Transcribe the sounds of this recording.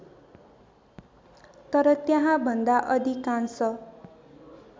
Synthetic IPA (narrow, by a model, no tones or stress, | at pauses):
t̪ʌɾʌt̪jãɦãbʱʌnd̪aʔʌd̪ikansʌ